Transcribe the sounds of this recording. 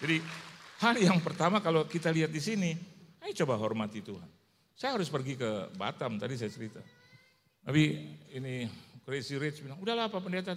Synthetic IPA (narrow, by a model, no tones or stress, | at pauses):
d͡ʒadihaljaŋpərt̪amakalokit̪aliat̪̚disiniajt͡ʃobaɦɔrmat̪it̪uɦa̰n | sajaɦaɾʊspərɡikəba̰t̪amt̪adis̬ajat͡ʃəɾit̪a | napiinikɾesiɾɪt͡ʃbilaŋudahlaɦːpapəndet̪̬a